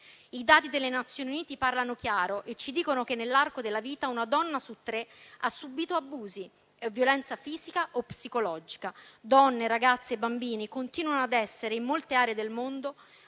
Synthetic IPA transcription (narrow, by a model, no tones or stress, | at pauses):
id̪aːt̪id̪elːenat̪sjoːniuniːt̪iparlanok̟jaːɾoʔet͡ʃːid̪iːkonokenːelːarkod̪elːaviːt̪aunad̪ɔnːasut̪ːɾeasːubiːt̪oabuːzi | vːjolɛnt̪safiːzikaʔopsikolɔːd͡ʒikad̪ɔnːeɾaɡat̪sːebːambiːnikont̪iːnwanoad̪ɛsːeɾeimːolt̪eaːɾeed̪elmond̪o